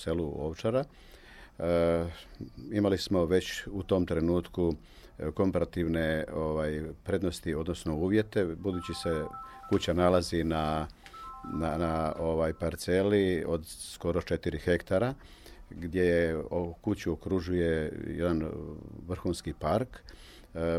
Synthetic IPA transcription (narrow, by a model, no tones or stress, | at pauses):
seluoʋt͡ʃaɾa | imalismo̞ʋe̞t͡ɕut̪o̞mt̪ɾe̞nuːt̪ku | ko̞mpaɾat̪iʋne̞oʋajpɾe̞d̪nost̪io̞d̪nosno̞uːʋje̞t̪e̞bud̪uːt͡ɕise̞kut͡ɕanalazina | nanao̞ʋajpaɾt̪se̞lio̞d̪sko̞ɾo̞t͡ʃe̞t̪iɾixe̞kt̪aɾa | ɡd̪ʲje̞jeokut͡ɕuokɾuʒujejḛd̪anʋr̩xuːnskipaɾk